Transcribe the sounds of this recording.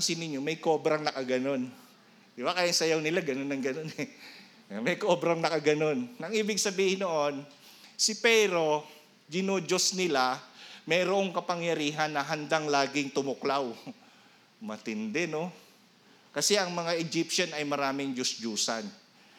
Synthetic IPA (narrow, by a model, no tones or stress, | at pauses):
nsinɪɲːomɐjko̞ːbɾɐŋnɐkaɡɐno̞n | ɪwakajaŋsɐjawnɪlaɡɐnonɐŋɡɐnonɛ | mɐjkoːbɾaŋnɐkaɡɐno̞nɐŋʔiːbɪɡsɐbiːhɪnːoʔon | sɪpɛːɾo̞ | d͡ʒɪnoːd͡ʒosnɪlamɛːɾoʔoŋkɐpɐŋjɐɾiːɦɐnːɐɦɐnd̪aŋlaːɡɪŋt̪ʊmʊklaw | mɐt̪ɪnd̪ɛno̞ | kɐsɛʔɐŋmɐŋaʔɛd͡ʒipʃanɐjmɐɾaːmɪŋd͡ʒosd͡ʒuːsa̰n